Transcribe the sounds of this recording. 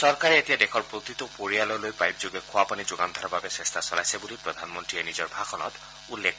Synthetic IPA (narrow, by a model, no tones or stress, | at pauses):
sɔɹkaɹɛetijadɛxʰɔɹpɹot̪it̪ʊpoɹialɔjlojpajb̚zoɡɛkʰʊwapanizoɡand̪ʱɔɔbabɛsɹɛstʰasɔlajsɛbulipɹɔd̪ʱanmɔntɹiɛnizɔɹbʱaxʰɔnɔ̰t | ulːek